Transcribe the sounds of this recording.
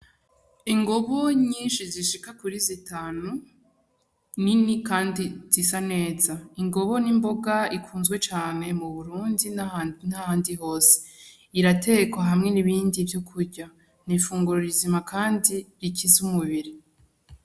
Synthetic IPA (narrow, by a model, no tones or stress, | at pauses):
iŋɡo̞βo̞ɲiːnʃiziʃikakuɾizitaːnu | ninikaːndiz̥isane̞ːzaiŋɡo̞βo̞nimbo̞ɡaikʰuːnzɡwe̞t͡ʃaːne̞muβuɾuːndin̥hahaːndiɦo̞ːse̥ | iɾate̞kwaɦamŋe̞niβiːndivjokʰuɾɟa | n̥ifuːŋɡuɾuɾizimakaːndiɾicizumuβiɾi